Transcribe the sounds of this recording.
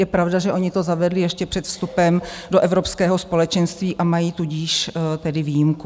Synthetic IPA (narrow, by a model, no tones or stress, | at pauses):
jɛpɾavdaʒɛʔo̞ɲɪt̪o̞zavɛdlɪjɛʃcɛpr̝̥ɛt̪fst̪upɛmdoʔɛvɾo̞pskɛːɦo̞spo̞lɛt͡ʃɛnst̪viːʔamajiːt̪uɟiːʃt̪ɛdɪviːjɪmku